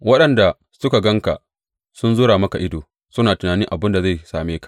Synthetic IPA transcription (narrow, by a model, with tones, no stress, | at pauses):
wɐ˦ɗɐ˨nda˨ | sʊ˦ka˨ɡɐ˦ŋka̰˨ | sʊ˦nzʊː˦ɾaː˨mɐ˦ka˨ʔɪ˦doː˨ | sʊ˦naː˨tʊ˨naː˨nɪ˦ŋʔa˨bɪ˦nda˨za˦˨jsaː˨meː˦kḁ˨ʔ